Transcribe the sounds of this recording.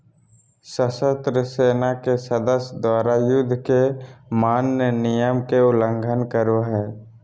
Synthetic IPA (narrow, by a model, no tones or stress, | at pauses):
səsət̪ɾəseːnakesəd̪əsjd̪waːɾajʊd̪ʱːkemaːnənɪjəmkeʊlə̃ŋɡʱənkəɾoɦɛː